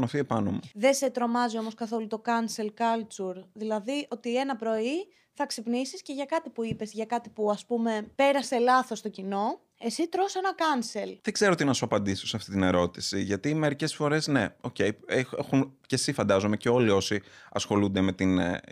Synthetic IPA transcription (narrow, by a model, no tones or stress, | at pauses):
nofie̞pɐno̰muðe̞se̞t̪ɾo̞mɐzio̞mo̞skɐθo̞lut̪o̞kɐnse̞lkɐlt͡suɾðilɐðiʔo̞t̪ie̞nɐpɾo̞i | θɐksipnisisce̞ʝɐkɐt̪ipuipe̞zʝɐkɐt̪ipuɐspume̞pe̞ɾɐse̞lɐθo̞st̪o̞cino̞ | e̞sit̪ɾo̞sɐnɐkɐnse̞lðeɡz̥eɾoot̪inɐsuɐpɐnd̪ist̪osɐft̪it̪ine̞ɾo̞t̪i̥siʝɐt̪ime̞ɾice̞sfo̞ɾe̞sne̞o̞ce̞jeexunce̞sifɐnd̪ɐzome̞ce̞o̞lio̞siɐ̰sxo̞lund̪eme̞t̪in